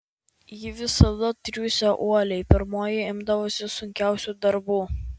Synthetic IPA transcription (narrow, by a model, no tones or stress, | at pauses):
jɪʋʲɪsɐd̪ɐt̪ʲɾʲuːsʲɛʔuɔlʲɛɪpʲɪɾmoːjɪɪmd̪ɐʋoːsʲɪsʊŋʲkʲæˑʊsʲuːd̪ɐɾbuː